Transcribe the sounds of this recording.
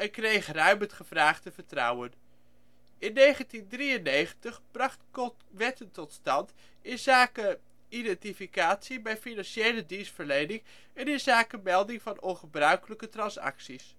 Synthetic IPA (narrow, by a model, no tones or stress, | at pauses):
ɛnkrejχrœɥmətχəv̥raːχdəvəɹtrʌ̰wən | ɪnːejχəntindriənːejχəntəχb̥rɑχtkɔ | ʋɛtəntɔtstɑnt | ɪnzaːkə | idɛntifikaːtsibɛjfinɑnʃejlədinsfəɹlejnɪŋ | ɛnɪnzaːkəmɛlˠdɪŋvɑnɔnχəbrœɥkələkətrɑnsɑ̰ksis